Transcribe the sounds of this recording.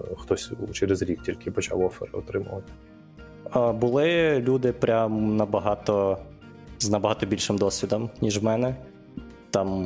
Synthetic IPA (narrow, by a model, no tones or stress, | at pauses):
xt̪ɔsʲt͡ʃɛɾezɾʲik̚tʲilʲkɪpɔt͡ʃɑ̰wɔfɛɾɪɔt̪ɾɪmʊʋɐt̪ɪ̥ | abʊlˠɪlʲud̪ɪpɾʲamnɐbɐɦɑt̪ɔ | znɐbɐɦɑt̪ɔbʲilʲʃɪmd̪ɔsʲʋʲid̪ɔmnʲiʒwmɛnɛ | t̪ɑm